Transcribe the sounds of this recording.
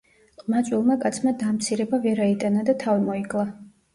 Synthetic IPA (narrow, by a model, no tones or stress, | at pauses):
qʼmat̪sʼwilˠmakʼat̪sʰmad̪amt̪sʰiɾɛbavɛɾait̪ʼanad̪at̪ʰavimɔiɡʼlˠa